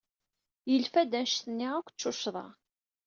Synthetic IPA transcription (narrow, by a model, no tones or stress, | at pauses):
jəlfæd̪ænʃθənːɪʁækʷːt͡ʃːʊʃðˤɑ̰